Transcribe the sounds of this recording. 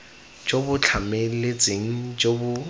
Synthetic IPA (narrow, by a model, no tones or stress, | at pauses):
d͡ʒobʊt͡ɬʰamelet͡sʼeŋ̩d͡ʒobʊ